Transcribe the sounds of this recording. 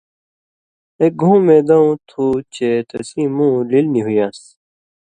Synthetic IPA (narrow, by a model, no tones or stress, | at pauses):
ek̚ɡʱũːmẽd̪ɐũt̪ʰut͡ɕet̪ɐsĩmũːlilnĩɦujaːs